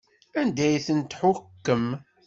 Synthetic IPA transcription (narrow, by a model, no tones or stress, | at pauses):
ænd̪æjθənt̪ħʊkːəm